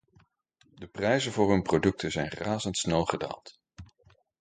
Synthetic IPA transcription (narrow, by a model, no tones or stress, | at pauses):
dəprɛjzənvʊːɹɦɵnprodɵk̚tʰənzɛjnraːzəntsnɛlˠχəda̰ːlˠt